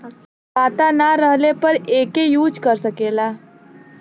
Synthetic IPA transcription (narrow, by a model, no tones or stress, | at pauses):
kaːt̪anaɾəɦlepəɾeːkejuːd͡ʒkəɾsəkeːlaː